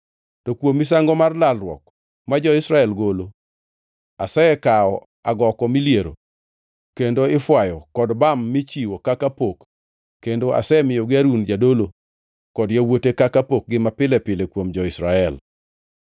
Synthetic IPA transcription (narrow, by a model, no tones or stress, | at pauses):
tɔkwomis̬aŋɡɔmarlalrwɔ̰k | mad͡ʒɔɪsɾaɛlɡolo | asɛɛkaɔ | aɡɔkɔmilieɾo̰ | kendoɪfwajɔkɔdbamːɪt͡ʃiwokakapokː | endoa̰sɛmɪjɔɡɪaɾund͡ʒadolo | kɔdjawotekakapok̚ɡɪmapɪlɛpɪlekwomd͡ʒɔɪsɾaɛl